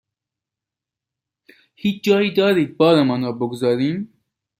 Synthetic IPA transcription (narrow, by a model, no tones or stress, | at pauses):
hiːt͡ʃʰd͡ʒɒːiːd̪ɒːɾiːd̪̚bɒːɾɛmanɾɔːboɡozɑːɾiːm